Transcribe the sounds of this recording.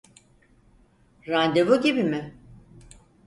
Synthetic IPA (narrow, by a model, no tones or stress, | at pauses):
ɾand̪evoɟibimɪ